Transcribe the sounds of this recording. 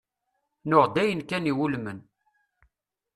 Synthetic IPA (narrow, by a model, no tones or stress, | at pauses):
nʊʁd̪æjənkæniwulmən